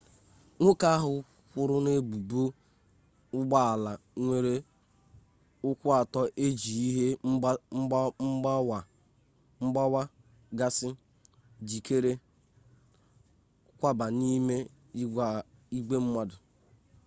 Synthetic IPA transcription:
ŋʷʊ˦ka˦a˦ɦʊ˨ | kʷʊ˨ɾʊ˦ne˦bu˨bu˦ | ʊ˦ɡ͡ba˦a˨la˨ŋʷe˨ɾe˦ | ʊ˦kʷʊ˦a˨tɔ˦ʔe˦d͡ʒi˨i˦ɦe˦ | m̩˦˨ | ŋ͡m̩˦ɡ͡ba˦wa˦ | ɡa˦sɪ˦ | d͡ʒi˨ke˦ɾe˦ | kʷa˦ba˨ni˦me˦ | i˦ɡ͡be˦m̩˦ma˦dʊ˨

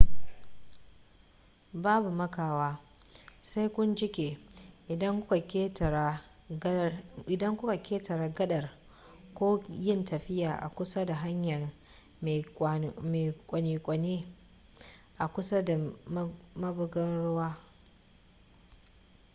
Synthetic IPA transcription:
baː˦bu˨mɐ˦kaː˨waː˦ | sa˦jkʷʊ˦nd͡ʒɪ˦kʲeː˨ʔɪ˨dɐ˦ŋ˦kː | ɪ˨dɐ˦ŋkʷʊ˦ka˨kʰʲeː˦tɐ˨ɾaː˨ɡɐ˦ɗɐ˨r | kʷoː˦jɪ˦˨ntʰɐ˨ɸɪ˦jaː˨ʔa̰˨kʷʊ˦sa˦da˨ɦa˦ɲjɐ˨r | meː˨kʷʼɐ˨niː˨kʷʼɐ˨neː˦ | ʔa˨kʷʊ˦sa˦da˨˦ | mɐ˦bʊ˦ɡɐ˦ɽʊ˦waː˦

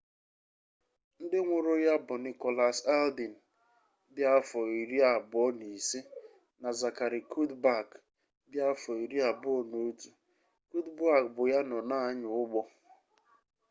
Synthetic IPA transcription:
n̩˦dɪ˦ŋʷʊ˨ɾʊ˦ja˦bʊ˨ni˨kɔ˨la˨sa˦ldi˨n̩˨ | bja˦fɔ˨i˨ɾi˦a˨bɔ˦ni˨si˦ | na˨za˨ka˨ɾi˨kʰu˦dba˦˨k | bja˦fɔ˨i˨ɾi˦a˨bʊ˦o˨no˨˦tu˨ | ku˦dba˦˨k̚bʊ˨ja˦nɔ˨na˦˨a˦ɲʊ˨ʊ˦ɡ͡bɔ˦

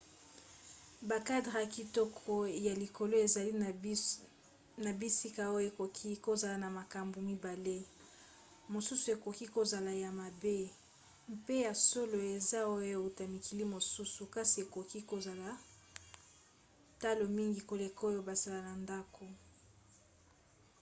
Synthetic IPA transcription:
ba˨ka˦dʁa˨ki˨tɔ˦kʰɔ˦ja˨li˨ko˨lo˦e˨za˨li˦˨ | na˨bi˦si˦ka˨o˦jo˦e˨ko˨kʰi˦ko˦za˨la˨na˨ma˨ka˨mbu˨mi˦ba˨le˦ | mo˨su˦su˨e˨ko˨ki˦ko˨za˨la˨ja˨ma˨be˦ | m˦pe˦ja˨so˦lo˨e˨za˦o˦jjo˦e˨u˨ta˨mi˨ki˨li˦mo˨su˦su˨ka˦si˨e˨ko˨ki˦ko˨za˨la˨ | ta˦lo˨mi˦ŋɡi˨ko˨le˨ko˦jo˦ba˨za˨la˨na˨nda˦ko˨

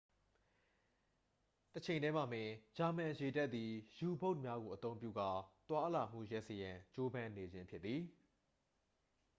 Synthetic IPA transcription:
tət͡ɕʰẽ˨ɪ̃ndɛ˦ma̰˨m̥ɪ̃˨d͡ʑa˨m̥ã˨je˨dɛ˦ʔt̪̚i˨ju˨bo˦ʊʔ̚mja˦ɡo˨ʔət̪õ˦ʊ̃mpjṵ˦˨ɡa˦t̪wa˦la˨m̥ṵ˦˨jɛ˦ʔsə˨jã˨t͡ɕo˦bã˦ne˨d͡ʑɪ̃˦mpʰjɪ˦t̪t̪θi˨

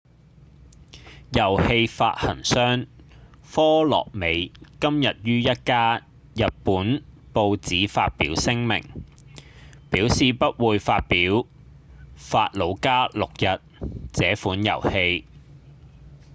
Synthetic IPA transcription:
jɐ˨˩whe˧jfa̰ː˧t̚hɐ̰˨˩nsœː˥ŋ | fɔː˥lɔ̰ː˨˩k̚me˨˧jkɐ˥mjɐ˨t̚jyː˥jɐ˥t̚kaː˥ | jɐ˨t̚puː˨˥n | po˧wt͡siː˨˥faː˧t̚piː˨˥wsɪ˥ŋmɪ̰˨˩ŋ | piː˨˥wsiː˨pɐ˥t̚wuː˨˧jfaː˧t̚piː˨˥w | faː˧t̚lo˨˧˥wkaː˥lʊ˨k̚jɐ˨t̚t͡sɛː˨˥fuː˨˥njɐ̰˨˩whe˧j

